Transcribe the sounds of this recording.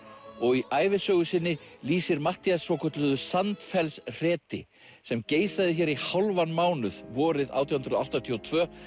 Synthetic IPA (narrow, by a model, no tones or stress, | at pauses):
ɔɣiaːjvɪsœːɣʏsɪnːɪliːsɪɾmaht̪iasːɔwkʰœt̪lʏðʏsant̪fɛlsr̥ɛːt̪ɪ̰ | sɛmceːjsaðɪçɛɾihawlvanmaːwnʏð̥vɔːɾɪða̰ːwt̪jɔhʏnɾʏðawht̪at̪ʰiɔt̪ʰvœː